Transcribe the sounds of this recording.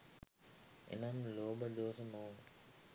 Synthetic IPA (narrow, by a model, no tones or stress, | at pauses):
ḛnamloːbɐd̪oːsɐmnoːn